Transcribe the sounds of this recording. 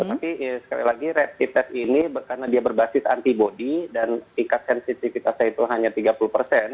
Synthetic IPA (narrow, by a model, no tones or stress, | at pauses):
t̪ət̪apisə̥ka̰lḭlaɡiɾɛp̚t̪it̪ɛt̪inibəkarnadiabərbasɪsa̰nt̪ibodidanp̪iŋkat̪̚sɛnsit̪ifit̪asait̪uɦaɲat̪iɡapuluhpərsɛn